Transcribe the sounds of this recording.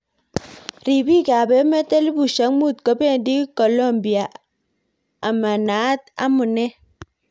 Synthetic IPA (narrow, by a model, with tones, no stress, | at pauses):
ɾi˨bi˦˨ka˨be˨˦mɛ˦te˦li˦bu˨ʃa˨˦ŋmu˦˨t̚kɔ˨˦be˦˨ndi˦i˦ko˨lo˦˨mbi˨a˨ | a˨ma˨na˨˦t̚a̰˦mu˨nɛ˦